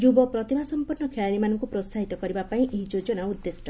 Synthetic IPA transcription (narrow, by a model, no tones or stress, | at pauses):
d͡ʒubɔpɾɔt̪imasɔmpuɾnɔkʰeɭaɽimanɔŋkupɾost̪ʰaɦit̪ɔkɔɾibapaĩʔeɦid͡ʒod͡ʒɔnaud̪ːesʈɔ